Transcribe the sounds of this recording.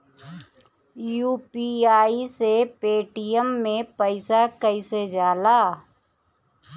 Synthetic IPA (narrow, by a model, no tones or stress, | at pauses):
juːpiaːisepeːʈijəmːẽpəɪsakəised͡ʒjaːlaː